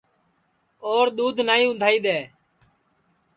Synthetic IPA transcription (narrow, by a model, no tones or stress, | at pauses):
oːɾɗ̪uːd̪ʱnaːĩːʊ̃nd̪ʱaːiːd̪eː